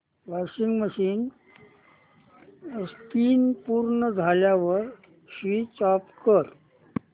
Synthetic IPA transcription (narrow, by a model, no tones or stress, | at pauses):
ʋasiŋɡməɕiːn | st̪iːnpuɾɳəd͡zʱaljaʋəɾ | ɕʋit͡sɔpkəɾ